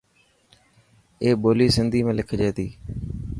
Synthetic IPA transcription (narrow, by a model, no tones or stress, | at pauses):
eːɓoːliːsɪnd̪ʱiːmẽːlɪkʰd͡ʒeːt̪iː